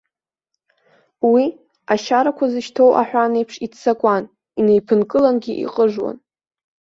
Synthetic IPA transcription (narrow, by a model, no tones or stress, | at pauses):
wi | aʃaɾakʷʰazɨʃtʰo̞wʔa̰ħʷᶣanejpʰʂitt͡sakʷʼan | ine̞jpʰɨnkʼɨlanɡʲiʔḭqʼəʐwa̰n